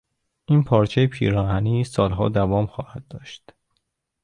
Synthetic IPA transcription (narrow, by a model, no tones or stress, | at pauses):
ʔiːnpʰɒːɾt͡ʃʰejepʰḭːɾɒːhænisɒːlɦɒːd̪ævɒːmxɒːhæd̪̥̚ːɒːʃt̪